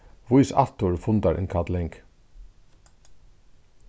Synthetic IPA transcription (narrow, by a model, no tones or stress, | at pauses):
ʋʊʏsɑ̰t̪ʊɹfʊnd̪aɹʔɪ̰nkʰɑt̪lɛŋk